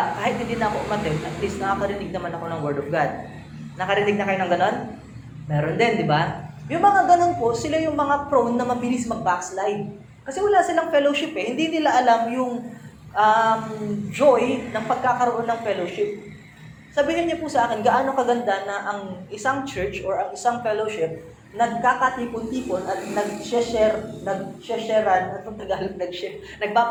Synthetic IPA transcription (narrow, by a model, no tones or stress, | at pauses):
kaːhɪt̪hɪ̃nd̪inɐʔɐko̞ʔʊmɐt̪ɛnd̪ʔɐt̪̚list̪nɐkakɐɾɪnɪɡ̚nɐmanɐko̞nɐŋwɛɹd̪ofɡad̪̚ | nɐkɐɾɪnɪɡ̚nɐkɐjonɐŋɡɐno̞n | mɛːɾond̪ɛnd̪ɪbajʊŋmɐŋaɡɐno̞npo̞sɪlajʊŋmɐŋapɾonːɐmɐbɪlismɐɡ̚bakslajv | kɐsɛwɐlasɪlaŋfɛloʃɪpɛhɪnd̪inɪlaʔɐlamjʊŋ | ʔɐmd͡ʒojnɐŋpɐɡ̚kakɐɾoʔo̞nːɐŋfɛloʃɪp̚ | sɐbiːhɪnɲɐpusɐʔaːkɪnɡɐʔaːnokɐɡɐnd̪anɐʔɐŋʔɪsaŋt͡ʃɛɹt͡ʃʔoɹɐŋɪsaŋfɛloʃɪp̚ | nɐɡ̚kakɐt̪iːpont̪iːponʔɐt̪̚nɐɡ̚t͡ʃɛʃɛɾnɐɡ̚t͡ʃɛʃɛɾɐnɐt̪jʊŋt̪ɐɡaːlɐp̚nɐɡ̚t͡ʃɛ | nɐɡ̚paː